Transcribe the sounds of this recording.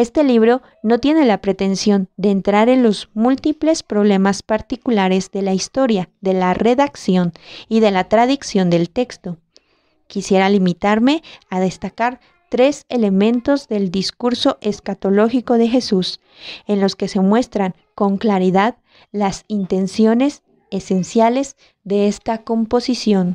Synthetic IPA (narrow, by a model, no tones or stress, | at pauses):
e̞st̪e̞liβ̞ɾo̞ | no̞t̪je̞ne̞lapɾe̞t̪e̞nsjo̞nd̪e̞ːnt̪ɾaɾe̞nlo̞zmult̪iple̞spɾo̞β̞le̞maspaɾt̪ikulaɾe̞zðe̞laist̪o̞ɾjaðe̞lare̞ðaksjo̞niðe̞lat̪ɾaðiksjo̞nd̪e̞lt̪e̞kst̪o̞ | kisje̞ɾalimit̪aɾme̞aðe̞st̪akaɾ | t̪ɾe̞se̞le̞mẽ̞nt̪o̞zðe̞ld̪iskuɾso̞ʔe̞skat̪o̞lo̞xiko̞ðe̞xe̞sus | e̞nlo̞ske̞se̞mwe̞st̪ɾaŋ | ko̞ŋklaɾiðað | lasint̪e̞nsjo̞ne̞s | ese̞nsjale̞z | ðe̞est̪ako̞mpo̞sisjo̞n